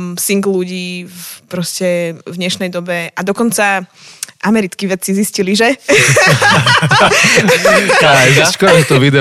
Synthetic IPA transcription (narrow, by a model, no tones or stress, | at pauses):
siŋɡluɟiːpɾɔscɛvɲɛʃnɛjd̪ɔbɛʔad̪ɔkɔnt͡saʔamɛɾit͡skiʋɛt͡sizisciliʒɛ | ʒat͡ʃkɔt̪ɔʋid̪ɛ